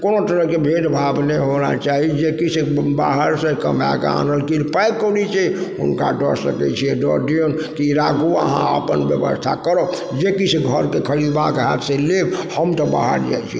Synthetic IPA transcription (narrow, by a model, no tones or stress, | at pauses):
konot̪əɾəɦkebʱeʈbʱabneɦona̰t͡ʃaɦid͡ʒekit͡ʃʰeba̰ɦəɾsẽkəma̰ka̰nəlkilpajkːolit͡ʃʰɛʊ̰nkaɖə̰ɾsə̰kɛ̰t͡ʃʰiɛɖɔɖion | kiɾaɡua̰ɦãə̰pənbjəbə̰st̪ʰa̰kəɾɔ | d͡ʒekit͡ʃʰeɡʱəɾkekʰəɾid̪bakeɦat̪selebhəmt̪əba̰ɦə̰ɾd͡ʒa̰jt͡ʃʰi